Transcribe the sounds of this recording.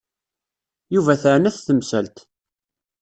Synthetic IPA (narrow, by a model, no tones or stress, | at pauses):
juvæθəʕnæθθəmsælt̪